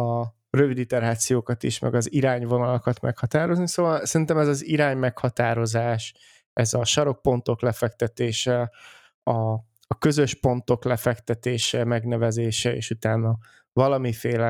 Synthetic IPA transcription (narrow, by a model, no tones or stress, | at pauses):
ɒ | røvid̪it̪ɛɾaːt̪sijoːkɒt̪ḭʃmʔɛ̰ɡɒziɾaːɲvo̞nɒlɒkɒt̪mɛ̰khɒt̪aːɾo̞znisovɒlsɛɾint̪ɛmɛzɒziɾaːɲmɛkhɒt̪aːɾo̞zaːʃ | ɛzɒʃɒɾo̞k̚po̞nt̪o̞klɛfɛk̚t̪ɛt̪eːʃɛ | ɒː | kø̞zø̞ʃpo̞nt̪o̞klɛfɛkt̪ɛt̪eːʃɛmɛɡnɛvɛzeːʃɛḛːʃut̪aːnːɒ | vɒlɒmifeːlɛ